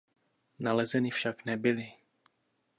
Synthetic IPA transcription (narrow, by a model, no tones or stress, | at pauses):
nalɛzɛnɪfʃaknɛbɪlɪ